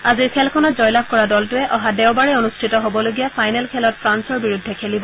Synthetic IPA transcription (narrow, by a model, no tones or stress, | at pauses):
aziɹkʰɛlkʰɔnɔtzɔjlab̚kɔɹadɔltʊɛʔɔɦadɛʊbaɹɛonustʰitɔɦobɔloɡijapʰajnɛlkʰɛlɔtpʰɹansɔɹbiɹudʱːɛkʰelibɔ